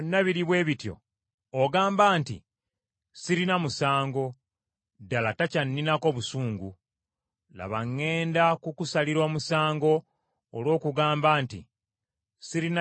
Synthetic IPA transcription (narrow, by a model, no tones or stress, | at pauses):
nːaβiɾiβwe̞ːβitjo̞̰ː | ɡaːmbaːntḭ | siɾinamusaːŋɡo̞ | dalatacanːinako̞βusuːŋɡu | la̰βaŋːe̞ːndakukusaliɾo̞ːmusaːŋɡo̞ː | lwo̞ːkuɡaːmbaːntḭ | siɾin